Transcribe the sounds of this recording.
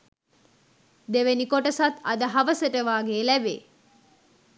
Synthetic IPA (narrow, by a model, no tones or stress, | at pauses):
d̪eʋenikoʈəsat̪ɐd̪əɦɐʋəsəʈəʋaːɡeːlæbḛː